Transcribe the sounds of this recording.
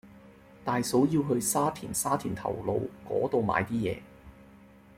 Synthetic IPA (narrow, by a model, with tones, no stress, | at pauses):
t̪aː˨jso˨˥wjiː˧wɦɵ˧ɥsaː˥t̪ʰiː˨˩nsaː˥t̪ʰiː˨˩nt̪ʰɐ̰˨˩wlo˧wkɔ̰ː˨˥t̪o˧wma̰ː˨˧jt̪iː˥jɛ̰ː˨˧